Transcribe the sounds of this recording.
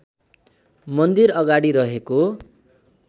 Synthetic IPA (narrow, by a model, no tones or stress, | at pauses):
mʌnd̪iɾʌɡaɽiɾʌɦeko